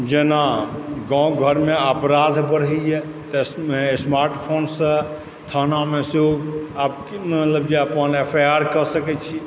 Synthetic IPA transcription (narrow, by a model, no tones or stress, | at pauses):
d͡ʒenaɡɔ̃ɡʱəɾmeəpɾad̪ʱbəɽɦɛjɛ | t̪əsmesmaɾʈpʰonsə̃ | t̪ʰanameseoapkmət̪ləbd͡ʒeəpənepʰajaɾkəsəkɛt͡ʃʰi